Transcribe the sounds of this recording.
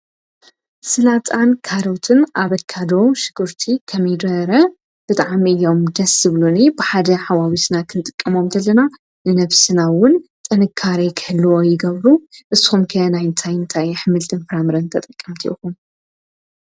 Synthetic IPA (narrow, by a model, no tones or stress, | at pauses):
sɨlat͡s̪ʼankʰaɾot̪ʰɨnʔaβɐkʰːad̪owʃɨɡɨɾt̪ʰikʰɐmjd̪ɐɾɐ | b̥ɨt̪ʼaʕmiʔɨjːo̞md̪ɐsːɨβlunibɨħad̪ɐħawawit̪nakʰɨnɨt̪ʼɨkʼːɐmo̞mzɐlːɐna | nɨnɐβsɨnawʊnt̪ʼɨnɨkʰːaɾikʰɨhɨlːɨwojɪɡɐβɾuʔɨsixumkʰɐnajɨnt̪ʰajɨnt̪ʰajħɨmɨlt̪ʰɨnfɾamɨɾɐnt̪ʰɐt̪ʼɐkʼːɐmt̪ʰḭʔixum